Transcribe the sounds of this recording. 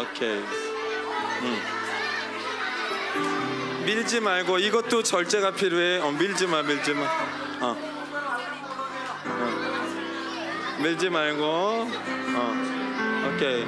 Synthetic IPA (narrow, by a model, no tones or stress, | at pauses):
okʰej | miɭd͡ʑimaɭɡoiɡʌt̚t͈ot͡ɕʌɭt͡ɕ͈e̞ɣapʰiɾweʌ̃miɭd͡ʑimamiɭd͡ʑima | ʌ̃ | ʌ̃ | miɭd͡ʑimaɭɡo | ʌ | okʰe